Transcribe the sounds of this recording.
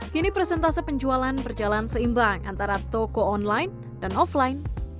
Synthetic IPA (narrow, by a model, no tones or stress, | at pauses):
kinipɾɛsɛnt̪asipəɲd͡ʒualanbərd͡ʒalansəimbaŋa̰nt̪aɾat̪ɔkɔɔnlajn | danɔflajn